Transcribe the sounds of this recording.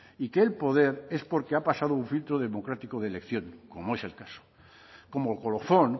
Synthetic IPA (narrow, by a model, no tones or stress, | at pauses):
ike̞ːlpo̞ð̞e̞ɾe̞spo̞ɾke̞apasað̞ouɱfilt̪ɾoðe̞mo̞kɾat̪ikoðelekθjõ̞ŋko̞moe̞se̞lkaso̥ | ko̞molko̞loθo̞n